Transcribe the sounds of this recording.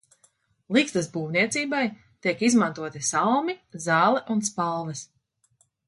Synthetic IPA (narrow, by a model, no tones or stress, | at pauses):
lˠikst̪ɐsbuːvniɛt̪siːbaj | t̪iɛkizmant̪uɔt̪isalˠmizɑːlˠɛʔunspalˠvɛs